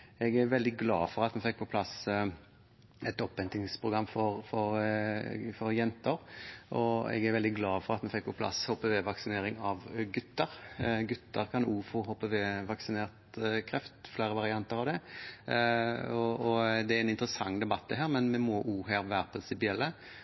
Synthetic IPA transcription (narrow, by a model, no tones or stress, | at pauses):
ɛɡæɾʋɛld̪ɪɡlɑ̰ːfɔɾɑt̪mɛfɛkːpʰɔpʰlɑs | ɛt̪ɔpːɛnt̪ɪŋspʰɾʊɡɾɑmːfɔɾfɔɾ | fɔɾjɛnt̪əɾʔɔɛ̰ɡæɾʋɛld̪ɪɡlɑːfɔɾɑt̪mɛfɛk̚ːpʰɔpʰlɑ̰shɔpəʋeːʋɑksɪneːɾɪŋɑʋɡʉt̪ːəɾɡʉt̪ːəɾkʰɑnuːfɔɦɔpːəʋeːʋɑksɪneːʁt̪kʰɾɛft̪flæɪɾəʋɑɾɪɑnt̪əɾɑʋd̪ɛ | ɔɔd̪ɛæɾɛnɪnt̪ɾəsɑŋːd̪ɛbɑt̪ːd̪ɛɦæːɾmɛnmɛmɔʔuːɦæːɾʋæːɾəpʰɾɪnsɪpɪɛlːə